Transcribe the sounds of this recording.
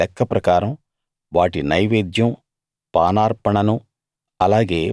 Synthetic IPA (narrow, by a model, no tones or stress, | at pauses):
ɛkːɐpɾɐkaːɾɐm | ʋaːʈinɐjʋeːd̪jɐm | paːnaːɾpɐɳɐnu | ɐlaːɡe̞ː